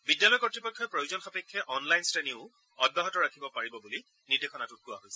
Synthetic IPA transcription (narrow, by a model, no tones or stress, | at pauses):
bidjalɔjkɔtɹipɔkʰːɔpɹojuzɔnxapɛkʰːɛʔɔnlajnsteniʊ | ɔd̚baɦɔtɔɹakʰibɔpaɹibɔbuli | nidekxʰɔnatʊt̚kʊaɦojsɛ